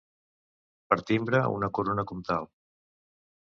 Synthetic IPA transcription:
pəɾt̪imbɾəṵnəkuɾonəkɔmt̪alˠ

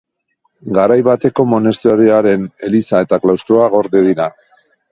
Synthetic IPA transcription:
ɡaɾajβat̪e̞ko̞mo̞ne̞st̪eoɾeaɾe̞ne̞lisae̞t̪aklawst̪ɾoaɣ̞o̞ɾðeðiɾa

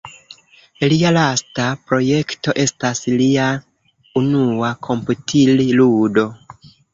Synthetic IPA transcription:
lialastapɾo̞je̞kto̞ʔe̞staslia | unuakʰo̞mputʰililudo̞

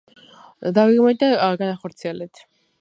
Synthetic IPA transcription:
d̪aviɡmɛnd̪aɡanaχɔɾt̪sʰiɛlɛt̪ʰ

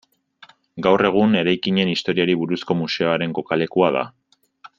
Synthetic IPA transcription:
ɡawre̞ɣ̞une̞ɾajkiɲe̞nist̪o̞ɾiaɾiβuɾusko̞muse̞o̞aɾe̞ŋko̞kale̞kuaða̰

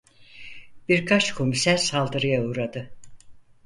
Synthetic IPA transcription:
b̥iɾkʰat͡ʃkʰomisæɾsalˠd̪ɯɾɯjauːɾad̪ɯ

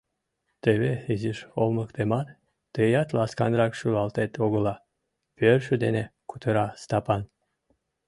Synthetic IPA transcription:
t̪eβeiziʃolˠmɤkt̪emɑn | t̪ɯjɑt̪lˠɑskɑnɾɑkʃuɑlˠt̪et̪oɣɤ̆lˠɑ | pʲøɾʃyd̪enekut̪ɤɾɑst̪ɑpɑn

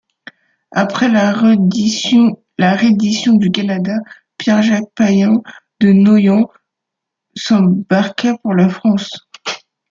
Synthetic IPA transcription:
apχɛ | laʁed̪isjɔ̃d̪ykanad̪a | pjɛʁʒak̚pajɛ̃d̪ənɔjɑ̃ | sɑ̃baʁkapuʁlafχɑ̃s

